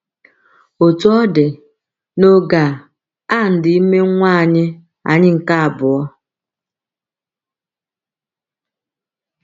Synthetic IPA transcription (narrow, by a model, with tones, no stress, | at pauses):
o˨tu˦ɔ˦dɪ˨ | no˦ɡa˨ | a˦˨n̩˨dɪ˨i˦me˦ŋʷaː˦˨ɲɪ˦ | a̰˨ɲɪ˦ŋ̩˨ka˦a˨bʊ˨ɔ˦